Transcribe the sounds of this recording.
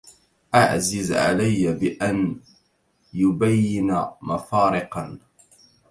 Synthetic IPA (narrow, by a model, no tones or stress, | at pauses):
ʔaʕzɪzʕa̰lajːabɪʔan | jʊbajːɪnamafɑːɾɪqɑn